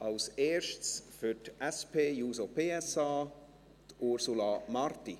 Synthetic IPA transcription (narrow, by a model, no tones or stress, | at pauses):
ʔɑlseːɾʃtsfytɛspʰeːjuːsopʰeːɛsɑː | tʊɾsulɑmɑrt̪i